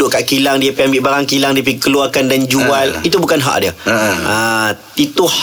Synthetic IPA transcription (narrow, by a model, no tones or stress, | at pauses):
ʊkaʔkilaŋdiəpambiʔbaɾaŋkilaŋdiəp̬ikəluarkandand͡ʒualit̪ubukanɦa̰ʔdiəə | it̪uh